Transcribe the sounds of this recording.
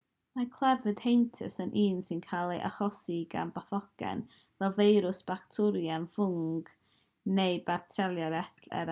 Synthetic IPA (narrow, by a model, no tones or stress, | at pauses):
makʰl̥ˠɛvɨd̥hejntʰə̰sənʔiːnsɪnkʰalˠiʔa̰χɔsiɡa̰mbaθɔɡ̥ɛ̰n | vɛlˠvejɾʊsb̥aktʰʊɾjanfʊŋɡ̥ | neɨbatʰɛlˠjaɾɛθʰlɛ̰ɾ